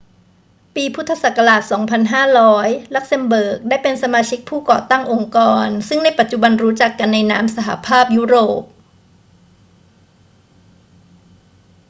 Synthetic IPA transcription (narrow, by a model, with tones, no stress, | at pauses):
piː˧pʰu˦˥t̪ʰːa˧sa˨˩ka˧ɾaː˨˩t̪̚sɔː˩˦ŋpʰa˧nɦaː˥˩ɾɔː˦˥jla˦˥k̚se˧mbɤː˨˩k̚daː˥˩jpe˧nsa˧maː˧t͡ɕʰi˦˥k̚pʰuː˥˩kɔ̰ː˨˩t̪a˥˩ŋʔo˧ŋkɔː˧nsɯ˥˩ŋda˥˩jpa˨˩t̪̚t͡ɕu˨˩ba˧nɾuː˦˥t͡ɕa˨˩kːa˧nːa˧jna̰ː˦˥msa˧ɦa˨˩pʰaː˥˩p̚juː˦˥˩ɾoː˨˩p̚